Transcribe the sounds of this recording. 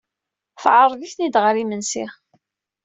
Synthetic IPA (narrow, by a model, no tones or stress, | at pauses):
θʕəɾˤðiθnid̪ʁɾimənsḭ